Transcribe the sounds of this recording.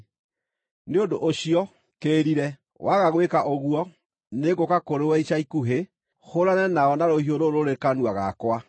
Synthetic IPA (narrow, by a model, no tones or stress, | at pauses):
neondo̰ʔoɕiɔ | keːɾiɾɛ | wʔaɣaɣwekaʔoɣuɔ | neɣokakoɾewɛiɕaikuɦe | hoɾanɛnaɔnaɾohioɾoɾoɾekanwaɣakwa